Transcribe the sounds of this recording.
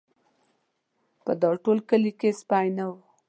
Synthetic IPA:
pəd̪ɑʈolkəlikespajnaw

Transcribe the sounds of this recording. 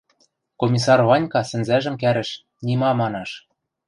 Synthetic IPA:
komʲisɑrβɑnʲkɑsɘ̆nzæʒɘ̆mkæɾɘ̆ʃ | nʲimɑmɑnɑʃ

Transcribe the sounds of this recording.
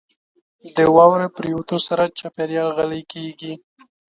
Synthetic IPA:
d̪əwɑwɾepɾijot̪osaɾat͡ʃapeɾjɑlɣalekeɡi

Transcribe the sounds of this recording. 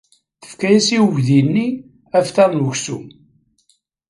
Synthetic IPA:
θə̥fkæjæsiwəʝðinːi | æfθɑɾˤnuʝsum

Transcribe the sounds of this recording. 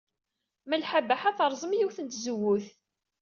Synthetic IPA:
mælħabaħaθəɾˤzˤəmjiwθənt̪zəwːʊθ

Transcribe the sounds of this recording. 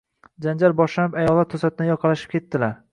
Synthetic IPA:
d͡ʒand͡ʒalbɒʃlanɪpajɒlˠːat̪ʰːɵsat̪ɪnɪjɒqʰɑlaʃɪ̥p̚kʲʰe̞t̪ːɪlaɾ

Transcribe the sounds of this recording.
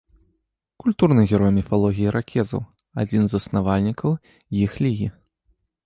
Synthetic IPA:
kulʲt̪urnɨɣʲɛɾɔjmʲɛfalˠɔɣʲijiɾʔakʲʰɛzɐ̰w | a̰d͡zʲinzɐsnavalʲnʲikɐw | jixlʲiɣʲi

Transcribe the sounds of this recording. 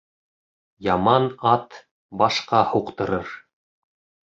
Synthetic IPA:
jɑmɑnɑt̪ | bɑʃqɑhuqt̪ɤ̆ɾɤɾ

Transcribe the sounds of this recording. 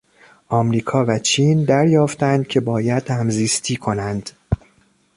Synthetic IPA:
ʔɒːmɾiːkʰɒːvæt͡ʃʰiːnd̪æɾjɒːft̪ænd̪̥̚cʲʰe̞bɒːjæd̪̥hæmziːst̪ʰiːkʰo̞nænd̪̥

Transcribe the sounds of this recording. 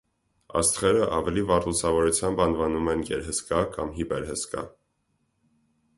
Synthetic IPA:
ɑ̰st̪χɛɾəʔɑvɛlivɑɾlusɑvɔɾut͡sʰjɑmbɑnvɑnumɛnɡɛ̰ɾɦəskɑkɑ̰mɦibɛɾɦəskɑ̰

